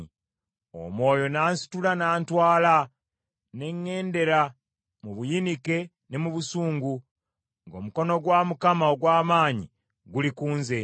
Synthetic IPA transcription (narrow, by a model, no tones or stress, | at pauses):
o̰mwo̞ːjo̞naːnsi̥tulanaːntwaːla | ne̞ɲːe̞ːnde̞ɾa | muβujinike̞ | ne̞muβusuːŋɡu | ŋɡo̞ːmuko̞no̞ɡwaːmukamaoɡwaːmaːɲḭ | ɡulikuːnze